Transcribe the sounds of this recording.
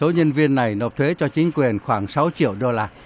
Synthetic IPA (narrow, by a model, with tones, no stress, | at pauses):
so˨˦ɲə˧nvi˧ənːa˨˩jno˨˩p̚t̪ʰwe˨˦t͡ɕɔ˧t͡ɕï˨˦ŋ̟kwi˨˩ənxwaː˧˩ŋsa˨˦wt͡ɕḭ˧˨əwɗo˧laː˧